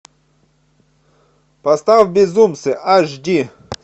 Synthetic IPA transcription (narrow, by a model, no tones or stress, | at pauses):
pɐst̪avbʲɪzumsɨʔaʐdʲi